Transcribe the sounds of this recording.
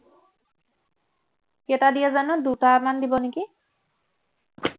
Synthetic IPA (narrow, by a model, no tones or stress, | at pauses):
kɛtadijazanɔdutaːmandibɔneki